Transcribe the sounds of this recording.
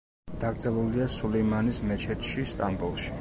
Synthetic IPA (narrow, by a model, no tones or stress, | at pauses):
d̪̥aɡɾd̪zɛlˠuliasulɛjmanismɛt͡ʃʰɛt̪ʰʃist̪ʼambulˠʃi̥